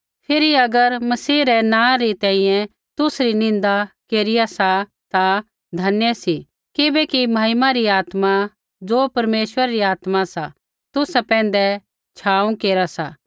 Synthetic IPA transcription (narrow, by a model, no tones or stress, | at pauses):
pʰɪɾiɐɡəɾmɐsiːɾɛnãːɾit̪ɛ̃ːĩjɛ̃ | t̪ʊsɾinɪ̃nd̪akeːɾɪjasa | t̪a | d̪ʱɐnjəsi | kɪbɛkimɐɦɪmãɾiaːt̪ma | d͡ʒoːpɐɾmeːʃʋəɾaɾiaːt̪masa | t̪ʊsɛpɛ̃ːn̆d̪ɛ | t͡ʃʰaːũkeːɾasa̰ː